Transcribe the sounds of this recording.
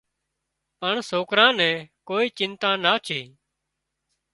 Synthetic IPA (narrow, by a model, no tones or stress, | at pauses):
pəɳsoːkɾãːnɛ̃ːkoːiːt͡ʃɪnt̪ãːnaːt͡ʃʰeː